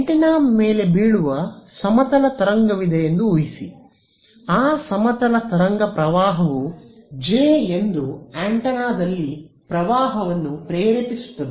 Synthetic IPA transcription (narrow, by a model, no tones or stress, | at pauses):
eɳʈɐnaːmːeːle̞biːɭuʋɐsɐmɐt̪ɐlɐt̪ɐɾɐŋɡɐʋid̪ejend̪uːjisḭ | aːsɐmɐt̪ɐlɐt̪ɐɾɐŋɡɐpɾɐʋaːɦɐʋud͡ʒeːend̪uaːɳʈɐnaːd̪ɐlːi | pɾɐʋaːɦɐʋɐnːupɾeːɾipisu̥t̪ːɐd̪u